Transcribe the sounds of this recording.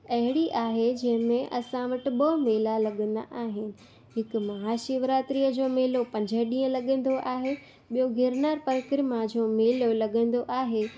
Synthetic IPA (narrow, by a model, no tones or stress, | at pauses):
ɐɦɪɽiʔaːɦed͡ʑɐ̃ɦɪ̃mẽʔɐsãʋəʈɪ̆ɓɐɦmeːlalɐɠə̃nd̪a̰ʔaːɦɪnɪ̆ | ɦɪkmɐɦaːʃiʋɾaːt̪ɾijəd͡ʑoːmeːlopɐ̃ɲd͡ʑʱəɗĩːə̃lɐɠə̃n̆d̪oʔaːɦe | ɓijoɡʱɪɾnaːɾpɐɾkɾɪmãd͡ʑoːmeːlolɐɠə̃ːn̆d̪oʔaːɦe